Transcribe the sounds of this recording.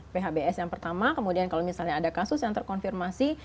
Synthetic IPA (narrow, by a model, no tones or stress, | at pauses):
peɦabeɛsjaŋpərt̪amakəmudiankalomisalɲaːdakasʊsjaŋt̪ərkɔnfirmasi